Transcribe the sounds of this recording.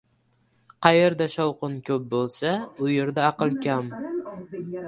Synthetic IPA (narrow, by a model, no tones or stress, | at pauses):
qʰɑjeɾd̪aʃɒwqʊnkʲʰɵp̚bolˠsaʊje̞ɾd̪aɑqɨlˠkʲʰam